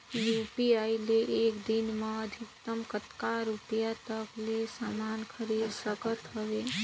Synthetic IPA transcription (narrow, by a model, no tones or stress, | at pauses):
jupiaileʔekd̪inmeəd̪ʱik̚t̪əmkət̪kaɾupijat̪əklesamankʰəɾid̪səkət̪ɦəʋe